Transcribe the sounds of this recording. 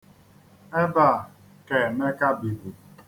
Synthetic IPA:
me˦ba˦˨ | ke˨me˦ka˦bi˨bu˨

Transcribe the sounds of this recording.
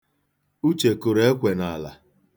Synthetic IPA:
u˦t͡ʃe˨kʊ˨ɾe˦e˦kʷe˨na˨la˨

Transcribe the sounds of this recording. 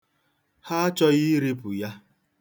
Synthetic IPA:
ha˦a˦t͡ʃɔ˦ɣɪ˦ɾi˦pʊ˨ja˦

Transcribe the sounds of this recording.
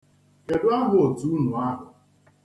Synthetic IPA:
ke˨dʊ˦a˦ɦʊ˨o˨tu˨u˦nʊ˨a˦ɦʊ˨

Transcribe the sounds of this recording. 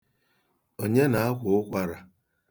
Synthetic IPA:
o˨ɲe˦na˨a˦kʷʊ˨ʊ˦kʷa˦ɾa˨

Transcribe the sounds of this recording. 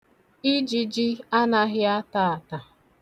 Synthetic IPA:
i˦d͡ʒi˨d͡ʒi˦a˦na˦ɦɪ˦a˦ta˦˨a˨ta˨

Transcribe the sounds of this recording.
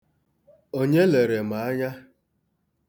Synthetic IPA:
o˦ɲe˦le˨ɾe˨ma˨a˦ɲa˦

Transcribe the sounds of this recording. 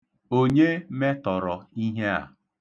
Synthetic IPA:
o˦ɲe˦me˦tɔ˨ɾɔ˨i˦ɦe˦a̰˨

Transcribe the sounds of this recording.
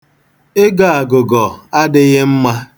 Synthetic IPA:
ɪ˦ɡa˨a˨ɡʊ˨ɡɔ˨a˦dɪ˦ɣɪ˦m̩˦ma˦

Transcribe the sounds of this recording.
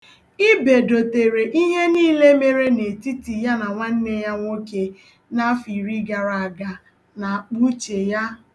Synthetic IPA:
i˦be˨do˨te˨ɾe˨ʔi˦ɲe˦niː˦le˦me˨ɾe˦ne˨ti˦ti˨ja˦na˨ŋʷa˦n̩˦ne˦ja˦ŋʷo˦ke˨ | na˦fi˨ɾi˦ɡa˨ɾa˨a˨ɡa˨ | na˨k͡pu˦t͡ʃe˨ja˦

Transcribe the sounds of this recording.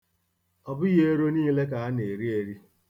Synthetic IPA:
ɔ˨bʊ˦ɣe˦e˦ɾo˦niː˦le˦k̬a˨a˦ne˨ɾi˦e˨ɾi˦

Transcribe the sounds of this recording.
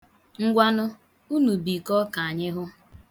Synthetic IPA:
ŋ̩˦ɡʷa˦nʊ˦ | u˦nu˨bi˨kɔ˦ka˨a˨ɲɪ˦ɦʊ˦

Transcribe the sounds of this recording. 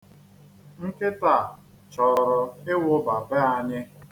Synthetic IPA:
ŋ̩˦kɪ˦ta˨ | t͡ʃɔ˨ɾɾɔ˨ɪ˦wʊ˦ba˨be˦a˨ɲɪ˦

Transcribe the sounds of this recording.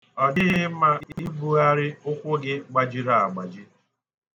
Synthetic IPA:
ɔ˨dɪ˦ɣɪ˦ma˦i˦bu˦a˦ɾɪ˦ʊ˦kʷʊ˦ɡɪ˦ɡ͡ba˦d͡ʒi˦ɾa˨a˨ɡ͡ba˨d͡ʒi˦

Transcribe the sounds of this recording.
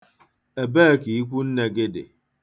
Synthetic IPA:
e˨beː˦˨ki˨i˦kʷu˦n̩˦ne˨ɡe˦dḛ˨

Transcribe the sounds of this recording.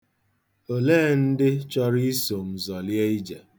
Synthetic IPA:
o˨leː˦n̩˦dɪ˦t͡ʃɔ˦ɾi˦i˦so˨m̩˨zɔ˨lje˦i˦d͡ʒe˨

